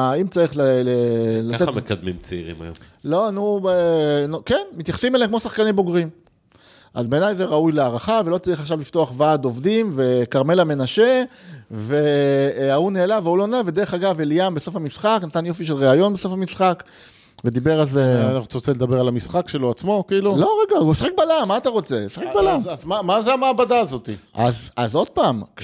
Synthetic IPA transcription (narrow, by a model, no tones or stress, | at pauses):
imt͡saʁiχlelelaeekad̪mimt͡seḭʁḭma̰jo̰lo̞anuenokenmit̪jaχsimelekmosaχkanimbo̞ɡʁim | ʔazbe̞ːnajzeʁaujleaːʁaχave̞lo̞t͡saʁiχaχʃavlift̪o̞aχvad̪o̞vd̪imve̞kaʁme̞lame̞naʃe̞ve̞auneːlaveulo̞naved̪e̞ʁeχaɡaveliambeso̞famisχaknat̪anjo̞fiʃ̬elʁeajo̞nbe̞so̞famisχak | ve̞d̪ibeʁalzenaot͡sʁot͡seled̪abeʁalamisχakʃe̞loat͡smo̞kiːluloʁeɡamisḁχxek̚balamːaːtaʁo̞t͡se̞̰saχekbalamazmamazeamaːbadaːzo̞t̪iʔa̰zazo̞d̪̚paːm